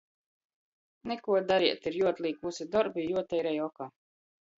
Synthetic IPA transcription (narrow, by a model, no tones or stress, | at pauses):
nɛkuɔd̪aɾiɛt̪iɾjuɔt̪lˠiːkvusid̪ɔɾbijuɔt̪ɛjɾɛjɔkaː